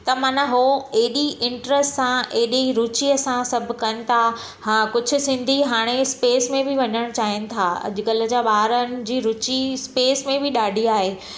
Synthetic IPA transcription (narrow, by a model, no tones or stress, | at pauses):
t̪ɐmaːnaɦoeɦɪɗiʔɪ̃ɳʈɾəsʈsãeɦɪɗiɾʊt͡ɕiɐsãsɐbʱʊ̆kɐnɪ̆t̪ʰa | hãkʊd͡ʑʱʊ̆sɪ̃nd̪ʱiɦaːɽ̃espeːsmẽbɪʋɐɲəɽ̃t͡ɕaːɦɪnɪ̆t̪ʰaːɐ̰ʄʊkɐlə̆d͡ʑaɓaːɦɾənɪ̆d͡ʑiːɾʊt͡ɕispeːsmẽbɪɗaːɖʱiaːɦeː